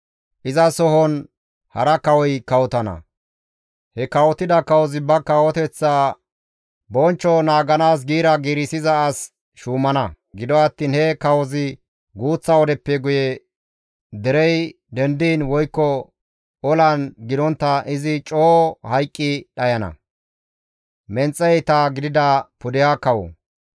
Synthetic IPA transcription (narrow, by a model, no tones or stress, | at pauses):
ʔɪzɐsɔɦɔn | hɐɾɐkɐwɔjkɐwɔt̪ɐnɐ̰ | hɛkɐwɔt̪ɪd̪ɐkɐwɔzɪbɐkɐwɔt̪ɛt͡sːaː | bɔnt͡ʃːɔnaːɡɐnaːs̬ɡiːɾɐɡiːɾɪsɪzɐːs | ʃuːmɐnɐ | ɡɪd̪ɔɐt̪ːiːnhɛkɐwɔzɪ | ɡuːt͡sːɐwɔd̪ɛpːɛɡʊjɛ | d̪ɛɾɛj | d̪ɛnd̪iːnwɔjkːɔ | ɔlɐnɡɪd̪ɔnt̪ːɐʔɪzɪt͡ʃʼoːhɐjkʼːɪɗɐjɐnɐ̰ | mɛnt͡sʼːɛjt̪aɡɪd̪ɪd̪ɐpʊd̪ɪjaːkɐwɔ̰